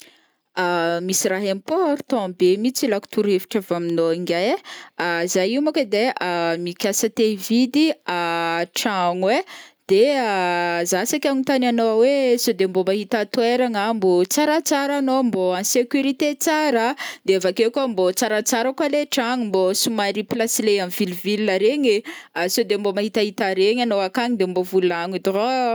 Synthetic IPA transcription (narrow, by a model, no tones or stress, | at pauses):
amisiɾaɦemipoɾu̥t̪ɔ̃bemit͡silaku̥t̪uɾevi̥ʈ͡ʂavaminoiŋɡajazajimokəd̪eamikʲasat̪evid̪iaʈ͡ʂaŋwed̪̥e | zasakʲaɲit̪ananowesod̪embomaɦit̪at̪weɾaŋambot͡saɾat͡saɾanomboãnsekʲuɾit̪et͡saɾad̪eavakekombot͡saɾat͡saɾakwaleʈ͡ʂaŋumbosumaɾiplasileamvilvilnaɾeɲisod̪embomaɦit̪aɦit̪aɾeɲanoakaɲid̪embovulaɲid̪oo